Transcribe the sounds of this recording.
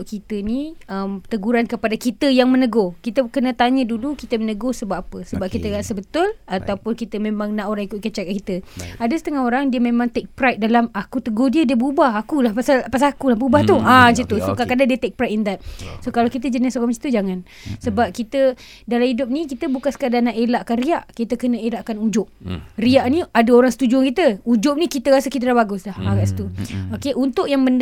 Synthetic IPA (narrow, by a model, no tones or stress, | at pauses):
ʔkit̪əniəmt̪əɡuɾankəpadakit̪əjaŋmənəɡohkit̪əkənə̃t̪aɲədulukit̪əmənəɡosəbap̚apəsəbap̚kit̪əɡaʔsəbət̪ʊlat̪awpʊnkit̪əmẽmãŋnaʔoɾaŋikʊt̪̚kət͡ʃaakit̪əadəsə̥t̪əŋahoɾaŋdiəmẽmãŋt̪ɛk̚pɾajt̪̚dalamakut̪əɡohdiədiəbəubahakulahpasalpasalakulahbəubaht̪uad͡ʒət̪usokakadadiət̪ɛk̚pɾajt̪̚ɛnd̪at̪̚sokalawkit̪̬əd͡ʒənɪsoɾaŋmat͡ʃi̥t̪ud͡ʒaŋan | səbap̚kit̪ə | dalamhidʊp̚nĩkit̪əbukansə̥kadanaʔelaʔkanriaʔkit̪əkənəelaʔkanud͡ʒʊp̚riaʔnĩadaoɾaŋsə̥t̪ud͡ʒuaŋkit̪əud͡ʒʊp̚nikit̪əɾasəkit̪əlabaɡʊslahaɡaʔst̪uokeʔunt̪ʊʔjaŋbən